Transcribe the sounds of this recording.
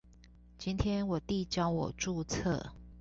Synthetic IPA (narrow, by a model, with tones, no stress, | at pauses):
t͡ɕi˦nt̪ʰjɛ˦˥nwɔ˨˩t̪i˥˨t͡ɕjɑ˦ʊwɔ̰˨˩ʈ͡ʂu˥˧t͡sʰə̰˥˩˨